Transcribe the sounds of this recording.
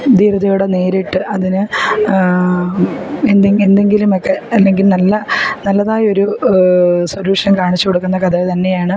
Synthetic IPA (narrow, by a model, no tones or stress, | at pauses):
d̪iːɾuðɐjuɽene̞ːɾiʈːɨʔɐðinɨ | end̪eend̪e̞ŋɡilumɐkːeɐlːe̞ŋɡilnɐlːɐnɐlːɐðaːjo̞ɾu | swoluːʂɐnkaːɳit͡ɕːukoɽukːunːɐkɐd̪ɐt̪ɐnːe̞jaːɳɨ